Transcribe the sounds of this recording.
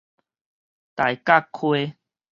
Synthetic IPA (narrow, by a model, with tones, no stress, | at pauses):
t̪a˨jka˥˧kʰwe˦